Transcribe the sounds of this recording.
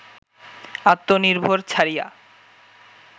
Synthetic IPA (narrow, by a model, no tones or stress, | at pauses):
at̪ːoniɾbʱoɾt͡ɕʰaɾija̰